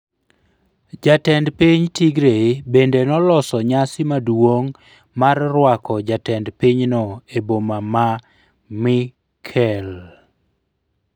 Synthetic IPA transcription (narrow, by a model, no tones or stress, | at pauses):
d͡ʒatɛndpiɲtiɡɾebendenɔlɔsɔɲasɪmadwoŋ | marːwakɔd͡ʒatɛndpiɲnɔebomama | mɪ | kʰɛl